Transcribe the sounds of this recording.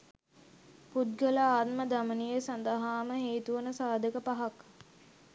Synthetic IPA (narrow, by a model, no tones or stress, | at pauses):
pud̪̚ɡəlaaːt̪məd̪amənijesand̪əɦaːməɦeːt̪uʋənəsaːd̪əkəpaɦak